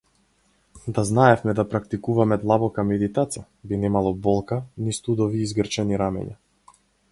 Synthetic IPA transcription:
d̪aznaɛfmɛd̪apɾakt̪ikuvamɛd̪lˠabɔkamɛd̪it̪at̪sija | binɛmalˠɔbɔlˠkanist̪ud̪ɔviːzɡr̩t͡ʃɛniɾamɛ̰ɲa̰

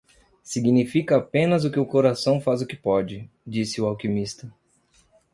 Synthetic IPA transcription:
siɡinifikɐːpẽnɐzʊkɪʊkoɾasɐ̃w̃fazʊkɪpɔd͡ʒɪ | d͡ʒisɪʊawkimist̪ɐ

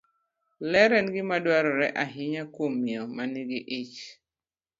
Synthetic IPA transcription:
lɛɾɛnɡɪmadwaɾɔɾɛʔaɦɪɲakwomːiɔmaniɡiʔit͡ʃ

